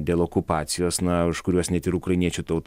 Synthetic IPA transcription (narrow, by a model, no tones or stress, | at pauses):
d̪ʲeːlˠoːkʊpɑːt̪sʲɪjoːsnɐʊʃkʊɾʲuɔsnʲɛt̪ɪɾukɾɐɪnʲiɛt͡ʃʲut̪ɐʊt̪